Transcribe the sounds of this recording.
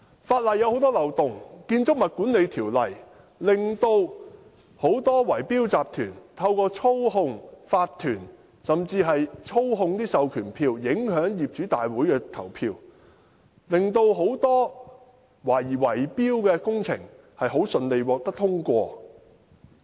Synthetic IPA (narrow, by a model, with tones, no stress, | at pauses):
faː˧t̚lɐ˨˩jːɐ˧who˨˥wt̪ɔː˥lɐ˨˩wt̪ʊ˨ŋkiː˧nt͡sʊ˥k̚mɐ˨t̚kuː˨˥nle˨˧jt̪ʰiː˨˩wlɐ˨˩j | lɪ˨ŋt̪o˧w | ho˨˥wt̪ɔː˥wɐ˨˩jpiː˥wt͡saː˨p̚t̪ʰyː˨˩nt̪ʰɐ˧wkɔː˧t͡ʃʰo˥wɦʊ˧ŋfaː˧t̪ʰːyː˨˩n | sɐ˨mt͡siː˧ɦɐ˨jt͡ʃʰo˥wɦʊ˧ŋt̪iː˥sɐ˨wkʰyː˨˩npʰiː˧wjɪ˨˥ŋhœː˨˥ŋjiː˨p̚t͡ʃyː˨˥t̪aː˨jwuː˨˥jkɛː˧t̪ʰɐ˨˩wpʰiː˧w | lɪ˨˩ŋt̪o˧wɦo˨˥wt̪ɔː˥ | waː˨˩jiː˨˩wɐ˨˩jpiː˥wkɛː˧kʊ˥ŋt͡sʰɪ̰˨˩ŋ | hɐ˨jɦo˨˥wsɵ˨nle˨jwɔː˨k̚t̪ɐ˥k̚t̪ʰʊ˥ŋkʷɔː˧